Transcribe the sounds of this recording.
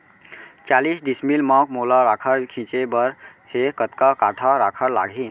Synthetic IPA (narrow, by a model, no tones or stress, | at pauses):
t͡ʃalisɖismilmãk̚molaɾakʰəɾkʰĩt͡ʃebəɾ | hekət̪kakaʈʰaɾakʰəɾla̰ɡʱin